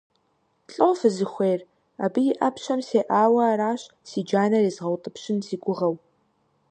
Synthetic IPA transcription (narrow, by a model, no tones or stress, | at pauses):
ɬʼowfɨzɨxʷeːr | a̰ːbɨjɪʔɐpʰʃɐmseːʔaːwɐːɾaːɕ | siːd͡ʒaːnɐriːzʁɐwtʼɨpɕɪnsiːɡʷʊʁɐw